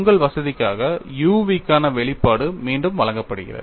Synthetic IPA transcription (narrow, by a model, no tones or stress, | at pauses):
ŋɡɐɭʋɐsɐðɪkːaːɣɐjuːʋikːaːnɐʋɛɭɪpːaːɽɯmiːɳɖɯmʋɐɭɐŋɡɐpːɐɽɯɣɪ̰rɐ̰ð